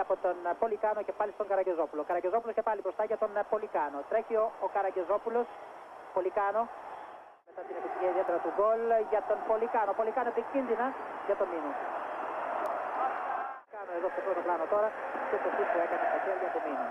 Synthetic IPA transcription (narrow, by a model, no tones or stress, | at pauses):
ɐpo̞t̪onpo̞likɐno̞cepɐlist̪oŋɡɐɾɐɟe̞zo̞pulokɐɾɐɟe̞zo̞pulo̞scepɐlipɾo̞st̪ɐʝɐt̪o̞npo̞likɐno̞t̪ɾe̞çio̞ːkɐɾɐɟe̞zo̞pulo̞s | po̞likɐno̞ | me̞t̪ɐt̪inepist̪iɲiɐiðie̞t̪e̞ɾɐt̪uɡo̞lʝɐt̪o̞npo̞likɐno̞po̞likɐnoepicinðinɐʝɐt̪o̞mino | kɐnoe̞ðo̞feɐsumt̪olɐnot̪o̞ɾɐtut̪osit̪oekɐnest̪oseɐliɐt̪omino